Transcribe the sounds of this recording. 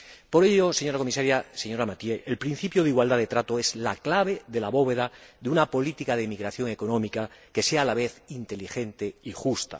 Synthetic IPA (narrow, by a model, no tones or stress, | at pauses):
po̞ɾe̞ʎose̞ɲo̞ɾako̞misaɾjaseɲo̞ɾamat̪je̞ʔelpɾin̟θipjoðiɣwald̪aðet̪ɾat̪oe̞zla̰klaβ̞e̞ðe̞laβo̞β̞e̞ðaðeunapo̞lit̪ikað̞emiɣɾaθjo̞ŋe̞konõmikake̞seaːlaβ̞e̞θint̪e̞lixe̞nt̪e̞ixust̪a̰